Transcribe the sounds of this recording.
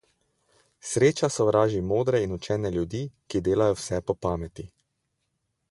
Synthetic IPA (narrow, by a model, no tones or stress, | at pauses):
sɾeːt͡ʃasɔʋɾaːʒimoːd̪ɾɛinut͡ʃɛːnɛljud̪iːkid̪eːlajɔwsɛpɔpaːmɛt̪i